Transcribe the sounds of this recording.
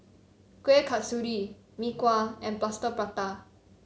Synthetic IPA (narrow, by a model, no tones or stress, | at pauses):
kwekʰatsuɹi | mikwaɛ̃nplastəpɹat̪a